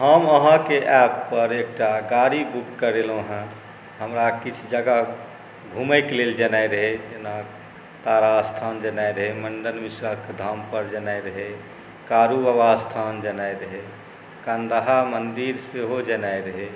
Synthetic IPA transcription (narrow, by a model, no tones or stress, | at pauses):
ɦəməɦãkeʔɛpːəɾek̚ʈaɡaɾibukːəɾeloɦɛ̃ | ɦəmɾakit͡ʃʰd͡ʒəɡa | ɡʱuməɪkleld͡ʒənajɾəɦed͡ʒena | t̪aɾast̪ʰaːnd͡ʒənaeɾəɦeməɳɖənmisɾaked̪ʱaːmpəɾd͡ʒənajɾəɦe | kaːɾuəʋast̪ʰand͡ʒənajɾəɦe | kãnd̪aɦamənd̪iɾseɦod͡ʒənajɾəɦe